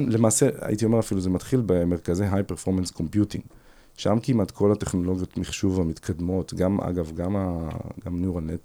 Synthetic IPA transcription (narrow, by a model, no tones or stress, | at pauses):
le̞maːsea̰ʔitio̞me̞ʁafiluze̞matχilbemeʁkazeɦajpeʁfo̞ʁmansko̞mpjutḭŋɡ | ʃamkimatkʰo̞late̞χno̞lo̞ɡjotmiχʃuvamitkʰad̪mo̞tɡama̰ɡavɡamaɡamnuʁalnet